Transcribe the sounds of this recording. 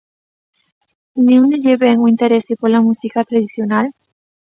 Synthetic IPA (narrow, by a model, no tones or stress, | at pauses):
niuneʎeβeŋuint̪eɾesepoɾlamusikat̪ɾaðiθjonal